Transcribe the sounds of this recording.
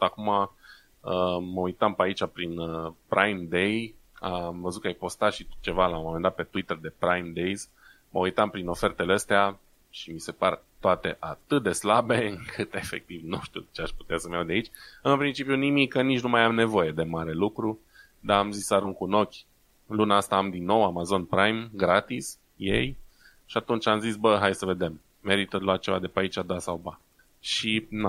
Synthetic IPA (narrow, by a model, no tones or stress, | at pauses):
akuma | əməujt̪ampəait͡ʃapɾinəpɾʔajmd̪e̞j | amvəzut̪kajpo̞st̪at̪ʃit͡ʃe̞valawmo̞mend̪at̪̚pe̞t̪uit̪ərd̪e̞pɾajmd̪ejz | məujt̪ampɾino̞fe̞rt̪eleəst̪ea | ʃimise̞part̪oat̪e̞̰ʔat̪ɨt̪̚d̪e̞slabe̞ɨŋkʰɨt̪e̞fe̞̰k̚t̪ivnuʃt̪ḭut͡ʃeaʃpu̥t̪easəmjawd̪eait͡ʃʲɨnpɾint͡ʃipjunimikːənit͡ʃnumajajamne̞vo̞je̞d̪e̞maɾe̞lukɾu | d̪aːmzisaɾuŋkuno̞kʲ | lunaast̪aːmd̪inːo̞wamazo̞npɾajmɡɾat̪is | je̞̰j | ʃiat̪unt͡ʃamzisbəɦajsəve̞d̪e̞mː | e̞ɾit̪əluwat̪̚t͡ʃe̞va̰d̪epeait͡ʃad̪asawba | ʃina